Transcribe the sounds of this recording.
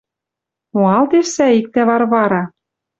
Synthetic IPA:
moɑld̪eʃsæik̚t̪æβɑɾβɑɾɑ

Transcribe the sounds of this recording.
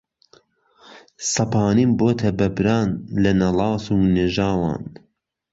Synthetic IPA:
sɐpʰɑːnimboːt̪ʰɐbɐbɾaːnlɐnɐlɑːsuːneːʒaːwɑ̰ːn

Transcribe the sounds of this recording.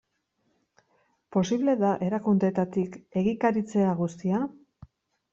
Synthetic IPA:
po̞siβle̞ðaʔe̞ɾakund̪e̞t̪at̪ike̞ɣikaɾit͡se̞aɣust̪ia

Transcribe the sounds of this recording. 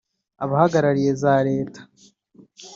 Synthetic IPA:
aβahaɡaɾaɾijezaːɾeːtḁ

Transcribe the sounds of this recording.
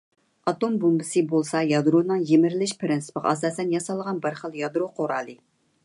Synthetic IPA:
ɑt̪ombombɪsɨbolˠsɑjɑd̪ɾonɨŋjemɪɾɪlɪʃpʰɾɪnsɨ̥pəʁɑ̰sɑːsɛnjɑsɑlˠʁɑnbɪɾχəlˠjɑd̪ɾoqʰoɾɑːlˠɨ

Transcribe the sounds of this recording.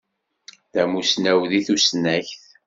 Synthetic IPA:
ðæmusnæwðiθusnæçθ

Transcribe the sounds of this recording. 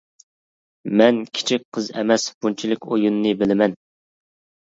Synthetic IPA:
mɛnkʲʰi̥t͡ʃʰik̚ʲqʰəzɛ̰mɛsb̥unt͡ʃʰilɪkʲojunːɨbɪlɪmɛn

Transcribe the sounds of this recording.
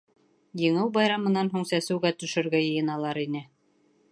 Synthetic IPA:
jɤ̆ɴɤwbɑjɾɑmɤ̆nːɑnɦuɴsæsɘ̆wɡæt̪ɵ̆ʃɵ̆ɾɡæjɤ̆jɤ̆nɑlˠɑɾinɘ

